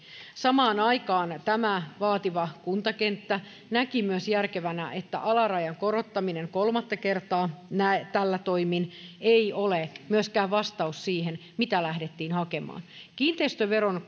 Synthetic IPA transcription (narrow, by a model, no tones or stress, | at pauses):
sɑmɑːnɑikɑːnt̪æmæʋɑːt̪iʋɑkunt̪ɑkent̪ːæ | nækimyøsjærkeʋænæʔet̪ːæ̰ʔɑlɑrɑjɑŋkoɾot̪ːɑmineŋkolmɑt̪ːɑkert̪ɑːnæt̪ælːæt̪oimineiolemyøskæːʋʋɑst̪ɑussiːhenmit̪ælæhdet̪ːiːnhɑkemɑ̰ːnkiːnt̪eist̪øʋeron